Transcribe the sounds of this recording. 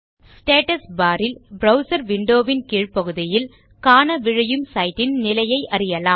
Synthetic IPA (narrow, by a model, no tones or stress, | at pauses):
sʈeːʈɐsbaːɾɪlbɾɐʊsɐɾʋɪɳɖoːʋɪnkiːɻpɐɣɯðɪjɪl | kaːnɐʋɪɻɐjɯmsɐɪʈːɪnnɪlɐjɐɪʔɐɾɪjɐlaːm